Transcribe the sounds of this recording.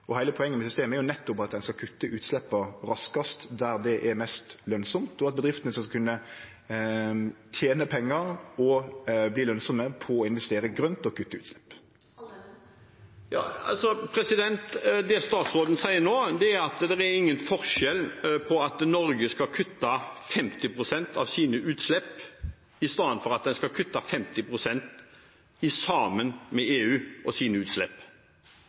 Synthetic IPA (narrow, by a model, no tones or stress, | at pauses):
ʔɔhæɪəpʰɔɛŋːənmɛsʏst̪eːməæɛɾjʊnɛt̪ːɔpɑt̪̚d̪ɛnskɑkʰʉt̪ːəʔʉːt̪slɛpːɑɾɑskɑst̪d̪æɾd̪ɛʔɛɾmɛst̪lœnsɔmt̪ɔɑt̪̚bəd̪ʁɪft̪ənəskɑkʰʉnːə | t̪ʰjeːnəpʰɛŋːɑɾɔbliːlœnsɔməpʰɔɔɪnʋɛst̪eːɾəɡʁœnt̪ɔkʰʉt̪ːəʉːt̪slɛpː | jɑ̰ːɑ̰lsɔpʰɾɛsɪd̪ɛnt̪d̪ɛst̪ɑːt̪sʁoːd̪n̩sæɪːənoːd̪ɛæɾɑt̪d̪ɛɾæɾɪŋːənfɔɾʃɛlpʰɔɑt̪nɔɾɡəskɑkʰʉt̪ːɑfɛmt̪ɪpʰɾʊsɛnt̪ʰɑ̰ʋsiːnəʔʉːt̪slɛpː | ɪst̪ɑːnfɔɾɑt̪̚d̪ɛnskɑkʰʉt̪ːɑfɛmt̪ɪpʰɾʊsɛnt̪ | ɪsɑːmənmɛeːʉːʔɔsiːnəʉːt̪slɛpː